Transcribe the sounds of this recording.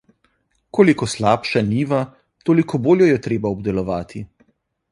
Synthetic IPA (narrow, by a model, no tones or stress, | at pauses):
koːlikɔslaːpʃaniːʋa | t̪oːlikɔboːljɔjɛt̪ɾeːbaɔbd̪ɛlɔʋaːt̪ʰi